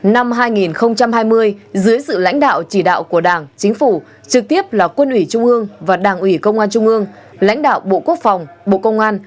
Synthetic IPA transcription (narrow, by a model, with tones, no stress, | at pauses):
na˧mɦaː˧jŋi˨˩nxə˧wŋ͡mt͡ɕa˧mhaː˧jmɨ˧əjzɨ˨˦əjsɨ̰˧˨la̰˧˥jŋ̟ɗa̰ː˧˨wt͡ɕi˧˩ɗa̰ː˧˨wku˧˩əɗaː˧˩ŋt͡ɕï˨˦ŋ̟fu˧˩ | t͡ɕɨ˨˩k̚t̪i˦˥əp̚laː˨˩kwə˧nʔwi˧˩t͡ɕʊ˧ŋ͡mʔɨ˧əŋvaː˨˩ɗaː˧˩ŋʔwi˧˩kə˧wŋ͡mʔaː˧nt͡ɕʊ˧ŋ͡mʔɨ˧əŋ | la̰˧˥jŋ̟ɗa̰ː˧˨wɓo̰˧˨ku˦˥ək̚fa˨˩wŋ͡mɓo̰˧˨kə˧wŋ͡mʔaː˧n